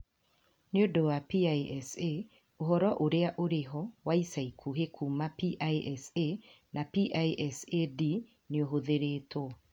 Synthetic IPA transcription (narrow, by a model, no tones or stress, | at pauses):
neodowapiaiɛse | oɦɔɾɔʔoɾeaʔoɾeɦɔwaisaikʰuɦekʰumapiʔajʔɛse | napiʔaiʔɛsedi | neoɦoðeɾeːtɔ